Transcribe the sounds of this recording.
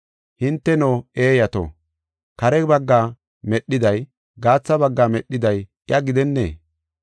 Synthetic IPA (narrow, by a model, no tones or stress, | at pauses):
hɪnt̪ːɛnoːe̞ːjɐt̪o̰ | kɐɾɛbɐɡːaː | mɛɗːɪd̪ɐj | ɡaːt͡sːɐbɐɡːaːmɛɗːɪd̪ɐj | ɪjʔɐɡɪd̪ɛnːḛː